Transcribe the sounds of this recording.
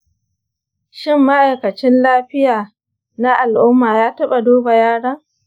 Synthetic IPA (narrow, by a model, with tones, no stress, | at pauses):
ʃɪ˦mːa˦ʔa˨jkɐ˨t͡ʃɪ˦nlaː˦ɸɪ˦jaː˨ | na˦ʔa˨lʔʊ˦mːaː˨jaː˦tɐ˦ɓa˨doː˦ba˨jaː˦ɽɐ˦ŋ